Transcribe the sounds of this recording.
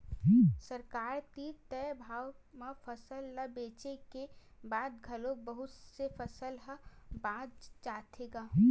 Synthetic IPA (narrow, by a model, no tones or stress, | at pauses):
səɾkaːɾt̪iːɾt̪ɛbʱaːwmafʰəsəlːəbeːt͡ʃekebaːd̪ɡʱɐlobəɦʊt̪sefʰəsəlɦəbãːd͡ʒt͡ʃaːt̪ʰeːɡaː